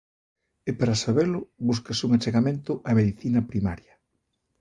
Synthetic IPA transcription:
epaɾasaβelʊβuskasuŋat͡ʃeɣamẽnt̪ʊʔameðiθinɐpɾima̰ɾjɐ

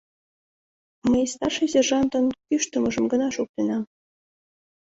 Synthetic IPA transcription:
məjst̪ɑrʃezʲerʒɑnt̪ŏnkyʃt̪ɤ̆mɤ̆ʒɤ̆mɡɤ̆nɑʃuk̚t̪ĕnɑ

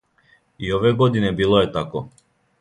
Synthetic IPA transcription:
iɔvɛɡɔd̪inɛbilˠɔɛt̪akɔ

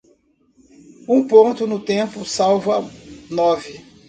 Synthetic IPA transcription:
ũpõnt̪ʊnʊt̪ẽpʊsawvɐnɔvɪ

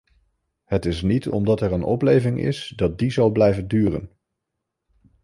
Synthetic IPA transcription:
hətɪs̬nitɔ̰mdɑtɛɹənɔ̰plejvɪŋʔɪ̰sdɑt̚dizawblɛjvəndyːrə̰n

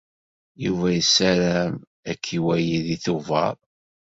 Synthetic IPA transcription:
juvæjəsːæɾæm | ækʰːiwæjiðiθuvɑ̰ɾˤ

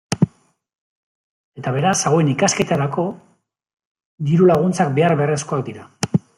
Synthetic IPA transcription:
e̞t̪aβ̞e̞ɾasaɣoenikaske̞t̪aɾako̞ | d̪iɾulaɣ̞unt͡sakbe̞arβeresko̞akd̪iɾa

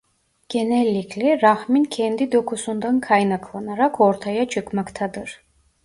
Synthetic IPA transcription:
ɟ̥enɛlʲːiclʲɛɾahmincʰɛnd̪id̪o̞kʰusund̪ankʰajnakʰlˠanaɾakʰo̞ɾt̪ʰajat͡ʃʰɯkmakt̪ʰad̪ɯɾ̥

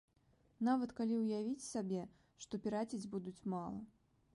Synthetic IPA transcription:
navɐt̪kalʲiwjavʲit͡sʲsabʲɛ | ʂt̪ɔpʲiɾat͡sʲid͡zʲbud̪ut͡sʲmalˠɐ

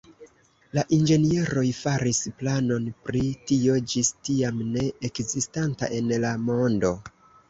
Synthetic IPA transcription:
laʔind͡ʒe̞nie̞ɾo̞jfaɾisplano̞npɾitio̞d͡ʒistiamne̞ekzistanta̰ʔe̞nlamo̞ndo̞

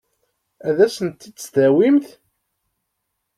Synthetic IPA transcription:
æðæsənt̪ːisðæwimθ

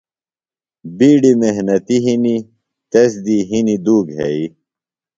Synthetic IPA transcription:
biːɖimeɦnɐt̪iɦini | t̪ɐsd̪iɦinid̪uːɡɦḛi

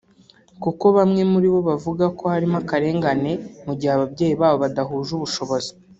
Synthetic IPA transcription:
kuko̞βamŋe̞muɾiβo̞βavuɡako̞haɾimakaɾe̞ːŋɡane̞muɟihaβabɟe̞ːjiβaːβo̞βadaɦuːʒuβuʃo̞βozi

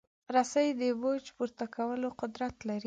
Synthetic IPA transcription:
ɾasajd̪əbod͡ʒpuɾt̪akʰawəloqʊd̪ɾat̪laɾi

